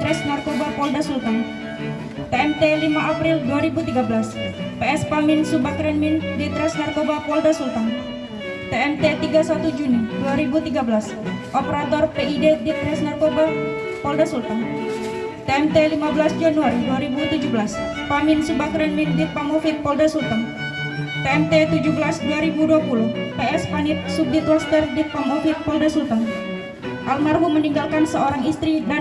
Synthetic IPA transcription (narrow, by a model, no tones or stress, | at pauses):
ɾɛsnarkobapɔldasult̪an | t̪eɛmt̪elimaʔapɾilduaɾibut̪iɡabəlaspeɛspamɪnsubakɾɛnmindit̪ɾɛsnarkobapɔldasult̪an | t̪eɛmt̪et̪iɡasat̪ud͡ʒuniduaɾibut̪iɡabəlas | ʔɔpeɾat̪ɔrpeidedit̪ɾɛsnarkoba | pɔldasult̪an | t̪eɛmt̪elimabəlasd͡ʒanuaɾiduaɾibut̪ud͡ʒubəlas | paminsibakɾɛnwindit̪̚paŋɔfit̪̚pɔldasult̪əŋ | t̪eɛmt̪et̪ud͡ʒubəlasduaɾibuduapuluhpeɛspanit̪̚sup̚dit̪lɔst̪ɛrdit̪̚paŋɔfit̪̚pɔldasult̪əŋ | ʔalmarbuməniŋɡalkansəoɾaŋist̪ɾida